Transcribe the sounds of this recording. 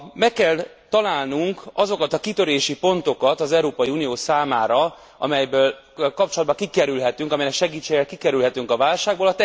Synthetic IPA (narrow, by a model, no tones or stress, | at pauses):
mɛkːɛl | t̪ɒlaːlnuŋkɒzo̞kɒt̪ɒkit̪ø̞ɾeːʃipo̞nt̪o̞kɒt̪ɒzɛuɾoːpɒjiuːnijoːsaːmaːɾɒ | ɒ̰mɛjbøːl | kɒpt͡ʃolɒd̪̚bɒkikɛɾylɦɛt̪yŋkɒmɛjɛnɛkʃɛɡiːt͡ʃːeːɡɛlkikɛɾylɦɛt̪yŋkɒvaːlʃaːɡboːlɒt̪ɛ